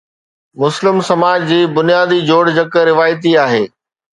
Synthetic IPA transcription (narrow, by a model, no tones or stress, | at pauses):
mʊslɪmsɐmaːd͡ʑd͡ʑiːbʊnijaːd̪id͡ʑoːɽd͡ʑɐkə̆ɾɪʋaːjt̪̬iaːɦeː